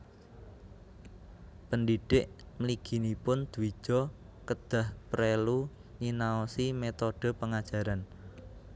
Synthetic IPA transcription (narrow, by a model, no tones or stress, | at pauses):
pəndiɖ̥ɪʔməliɡ̥i̤nipʊnd̪̥uwi̥ʒ̥ɔ̤ | kəd̪̥a̤hpɾelu | ɲinaɔsimet̪oɖ̥ə̤pəŋad̥ʒ̥a̤ɾan